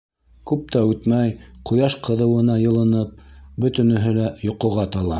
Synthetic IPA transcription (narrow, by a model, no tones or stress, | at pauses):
kʉp̚t̪æʉt̪mæjqʰŏjɑʃqʰɤ̆ðɤ̆wɤ̆nɑjɤ̆lˠɤ̆nɤp̚bɵ̆t̪ɵ̆nɵ̆ɦɘlæjŏqɤ̆ʁɑt̪ɑlˠɑ